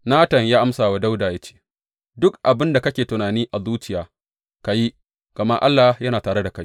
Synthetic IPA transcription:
naː˦tɐ˨ŋjaː˦ʔa˦msaː˨wa˦da˦wdaː˨ja˦t͡ʃe̥˦˨ | dʊ˦kʔa˨bɪ˦nda˨kɐ˦kʲeː˨tʊ˨naː˨niː˦ʔa˨zuː˦t͡ʃɪ˨jaː˨ | ka˨ji˦ | ɡ̥ɐ˨mɐ˦ʔa̰˦lːaː˨jɐ˦naː˨taː˨ɽe˦da˨ka˦j

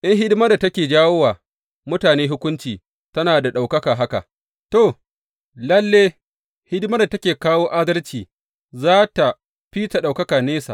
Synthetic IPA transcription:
ʔɪ˦ŋɦɪ˦dɪ˦ma˦da˨tɐ˦kʲeː˨d͡ʒaː˦wo˦waː˨ | mʊ˦taː˨neː˦ɦʊ˦kʷʊ˦nt͡ʃiː˨ | tɐ˦naː˨da˨ɗa˨wkɐ˦kaː˨ɦa˦ka̰˨ʔ | to˨ | lɐ˦lːeː˦ | hɪ˦dmɐ˦rda˨tɐ˦kʲeː˨kaː˦woː˦ʔaː˦dɐ˦lt͡ʃiː˨ | zaː˦ta˨ | ɸi˦ta˨ɗa˨wkɐ˦kaː˨neː˦sa̰ː˨ʔ

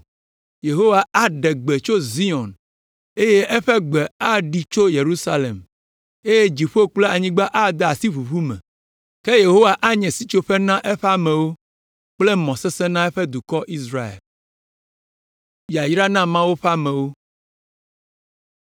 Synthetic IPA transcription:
je˨ɦo˦wa˨a˦ɖɛ˨ɡ͡be˨t͡ʃo˦zi˦ɔ̃˨n | e˦je˦ʔɛ˦ɸɛ˦ɡ͡bɛ˨a˦ɖi˨t͡ʃo˦je˨ɾu˦sa˦lḛ˨m | e˦je˦d͡ʑi˨ɸo˦k͡ple˦a˨ɲĩ˦ɡ͡ba˦ʔa˦d̪a˨si˦βu˨βu˦mɛ̰̃˨ | ke˦je˨ɦo˦wa˨ʔa˦ɲɛ̃˨si˦t͡ʃo˦ɸɛ˦nã˦ʔɛ˦ɸa˦mɛ̃˨wo˦ | k͡ple˦mɔ̃˨sɛ˦sɛ˦nã˦ɛ˦ɸɛ˦d̪u˨kɔ˦ʔi˦sɾa˦ḛ˨l | ja˨jɾa˦nã˦mã˦wo˦ɸɛ˦a˦mɛ̃˨wo˦

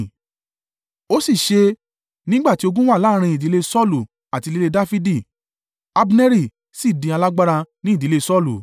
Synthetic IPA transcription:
o˦si˦˨ʃe˧ | nĩ˦ɡ͡ba˦˨ti˨˦o˧ɡũ˦wa˦˨la˨˦˧ɾ̃ĩ˧i˨di˨˦le˦sɔ˦˨lu˨ | a˨ti˧li˧le˧da˦fi˦di˦˨ | a˧bi˧nɛ˦ɾi˦˨ | si˦˨dĩ˧a˧la˦ɡ͡ba˦ɾa˧nĩ˦˨di˨˦le˦˧sɔ˦˨lu˨

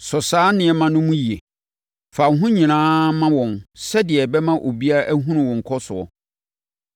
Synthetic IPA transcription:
sɔ˨saː˨˦nɪ̃˨˦ɛ˦mã˦nʊ̃˦mũ˦ji˨e˨ | fa˨˦ɦũ˦ɲĩ˨nãː˦mã˦wɔ̃˨nsɛ˦dɪ˨ɛ˨bɛ˦mã˦ʔo˨bi˦a˦ʔæ˦ɦũ˦nʊ̃˨wɔ̃˨ŋ̩˨kʰɔ˦sʊ˨ɔ̰˨

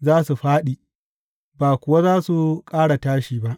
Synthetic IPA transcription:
zaː˦su˨ɸaː˦ɗiː˨ | baː˨kʷʊ˨wa˦zaː˦su˨kʼaː˦ɽa˨taː˦ʃiː˨ba˦ʔ

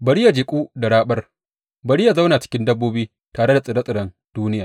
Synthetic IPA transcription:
bɐ˨ɽɪ˦ja˨d͡ʒɪ˨kʷʼuː˦da˨ɽaː˦ɓɐ˦r | bɐ˨ɽɪ˦ja˨za˦wnaː˨t͡ʃɪ̥˦kʲɪ˦ndɐ˦bːoː˦biː˦ | taː˨ɽe˦da˨sʼɪ˨ɽa˦sʼɪ˨ɽɐ˦n | d̥uː˦nɪ˦jaː˨

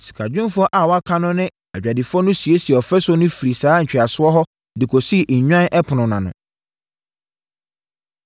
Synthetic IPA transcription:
si̥˨kʰa˨d͡ʑᶣʊ̃˦m˦fʊ˦ɔ˦ʔa˨wɔ˨˦a˦kʰã˦nʊ̃˦nɪ̃˦ | a̰˨d͡ʑᶣa˨dɪ˨fʊ˦ɔ˦nʊ̃˦si˨e˦si˨ɛ˨ɔ˨fɛ˦sʊ˦ɔ˦nʊ̃˦fi˨ɾi˨saː˨˦ɲ̩˨t͡ɕᶣɪ˨a˨sʊ˦ɔ˦ɦɔ˦ | dɪ˨kʰɔ˨si˦˨ɲᶣã˦nʔɛ˦pʰʊ˨nʊ̃˨nã˨nʊ̰̃˨

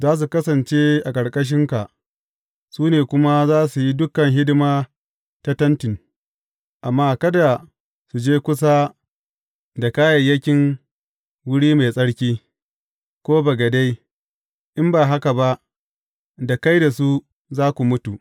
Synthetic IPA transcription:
zaː˦s̬u˨kɐ˦sɐ˨nt͡ʃeː˦ʔa˨kʼɐ˨ɽkʼɐ˦ʃ̬ɪ˦ŋka˨ʔ | suː˦neː˨kʷʊ˦ma˦zaː˦su˨ji˦dʊ˦kɐ˨ŋɦɪ˦dɪ˦maː˦ | ta˦tɐ˦ntɪ˨ŋ | ʔa˨mːaː˦kɐ˦da˨ | su˨d͡ʒeː˦kʷʊ˦s̬a˦ | da˨kaː˦jɐ˨jɐ˦kʲɪ˦ŋ | wʊ˦ɽiː˦ma˨sʼɐ˦ɽkʲiː˦ | kʷoː˦ba˨ɡa˨da˦j | ʔɪ˦mbaː˨ɦa˦ka˨ba˦ʔ | da˨ka˦jda˨su˦ | zaː˦kʷu˨mʊ˦tu˨ʔ

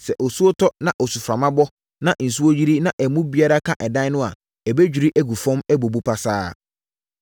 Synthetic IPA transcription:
sɛ˨ʔɔ˨su˦o˦tʰɔ˦nã˦ʔɔ˨su˨fɾã˨mã˦bɔ˦ | nã˦ʔn̩˨su˦o˦d͡ʑi˦ɾi˦nã˦ʔɛ˨mũ˦bi˦a˦ɾa˦kʰã˦ʔɛ˨dã˦nʊ̃˦a̰˨ | ɛ˨be˦d͡ʑᶣi˨ɾi˦ʔæ˦ɡu˨fɔ̃˦mɛ˦bo˨bu˦pʰa˦saː˦

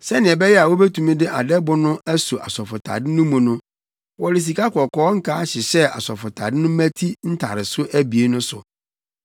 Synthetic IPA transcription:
sɛ˦nɪ̃˨ɛ˨bɛ˦jɛ˦a˨wo˦be˦tʰũ˨mĩ˦dɪ˦ʔa˨dɛ˦bʊ˦nʊ̃˦ʔæ˦su˨ʔa̰˨sɔ˨fʊ˨tʰa̰˨dɪ˦nʊ̃˦mʊ̃˨nʊ̃˦ | wɔ˦ɾɪ˨s̬i˨ka˦kɔ˨kɔ˦ŋ̩˦kʰaː˦ɕɪ˨ɕɛ˦a̰˨sɔ˨fʊ˨tʰa̰˨dɪ˦nʊ̃˦mæ̃˦tʰi˦n̩˦tʰa̰˨ɾɪ˨sʊ˦ʔæ˦bi˨e˦nʊ̃˦sʊ˨

